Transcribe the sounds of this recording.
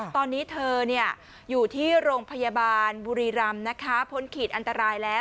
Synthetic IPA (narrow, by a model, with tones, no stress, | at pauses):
t̪ɔː˧nːiː˦˥t̪ʰɤː˧ni˥˩ɐ | juː˨˩t̪ʰiː˥˩ɾoː˧ŋpʰa˧ja˧baː˧nbuː˧ɾiː˧ɾa˧mna˦˥kʰa˦˥pʰo˦˥nkʰiː˨˩t̪̚ʔa˧nt̪a˧ɾaː˧jlɛː˦˥w